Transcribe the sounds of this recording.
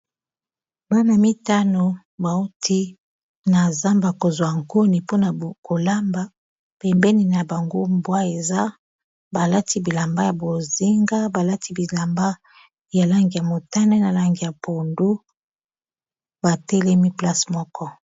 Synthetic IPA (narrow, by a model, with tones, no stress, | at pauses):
ba˦na˨mi˦ta˦no˨ | ba˨u˦tʰi˦ | na˨za˦mba˨ko˨zwa˨ŋko˦ni˨po˦na˨ko˨la˦mba˦ | pɛ˨mbɛ˦ni˨na˨ba˨ŋɡo˦mbwa˦e˨za˦ | ba˨la˦tʰi˦bi˨la˨mba˦ja˨bo˨zi˦ŋɡa˦ba˨la˦tʰi˦bi˨la˨mba˦ | ja˨la˦ŋɡi˨ja˨mo˨ta˦nɛ˦na˨la˨ŋɡi˨ja˨po˨ndu˦ | ba˨tɛ˦lɛ˦mi˦pla˦smɔ˦kɔ˦